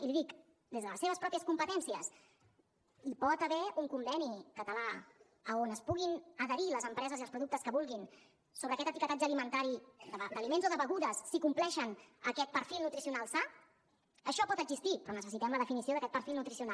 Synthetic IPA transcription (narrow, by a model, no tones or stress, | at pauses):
iliðik | d̪ezðələseβ̞əspɾɔpiəskumpət̪ɛnsiəs | ipɔt̪əβɛuŋkumbɛnikət̪əla | əonəspuɣinəðəɾiləzəmpɾɛzəziəlˠspɾuðukt̪əskəβulˠɣin | soβɾəːkɛt̪ət̪ikət̪ad͡ʒəlimənt̪aɾid̪əβd̪əlimenzoðəβəɣuðəsːikumplɛʃənəkɛt̪̚pəɾfilˠnut̪ɾisiunalˠsa | əʃɔpɔt̪əɡzist̪ipɾɔnəsəsit̪ɛmləðəfinisioðəkɛt̪̚pəɾfilˠnut̪ɾisiunal